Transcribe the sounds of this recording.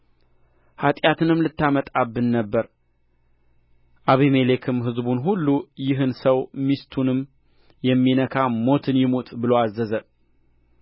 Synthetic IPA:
hat̪ʼjat̪ʰɨnɨmlɨt̪ːamət̪ʼabːɨnːəbːəɾ | ʔaβime̞le̞kʰɨmɦɨzbunɦulːujɪɦɨnsəwmist̪ʰunɨm | jɛmːinəkʰamo̞t̪ʰɨnjɪmot̪ʼbɨloazːəzə

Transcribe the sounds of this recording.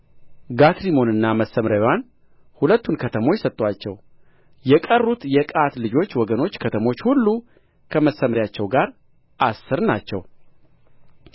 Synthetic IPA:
ɡat̪ɾimo̞nɨnːaməsəmɾawan | hulət̪ːunkʰət̪ʰəmo̞t͡ʃːsət̪ʼːwat͡ʃːɛ̰w | jɛkʼərːut̪jɛkʼat̪lɨd͡ʒo̞t͡ʃːwɔɡəno̞t͡ʃːkʰət̪ʰəmo̞t͡ʃːhulːu | kʰəməsːəmɾjat͡ʃːɛwɡaɾ | ʔasːɨɾnat͡ʃːɛw

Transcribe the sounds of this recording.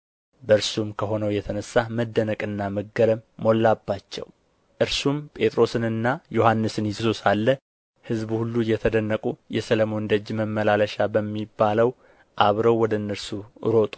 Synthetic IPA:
bəɨɾsumkʰəɦo̞nəwjɛt̪ʰənəsːaməd̪ːənəkʼɨnːaməɡəɾəmːo̞lːabːat͡ʃːɛ̰w | ʔɨɾsumpʼe̞t̪ʼɾo̞sɨnɨnːajohanːɨsɨnjɪsusalːə | hɨzbhulːujɛt̪ʰəd̪ənːəkʼujɛsələmo̞nd̪əd͡ʒməmːəlaləʃabəmːibːaləw | ʔaβɾəwwɔd̪əɨnːɨɾsuʔɨ̰ɾo̞t̪ʼu̥

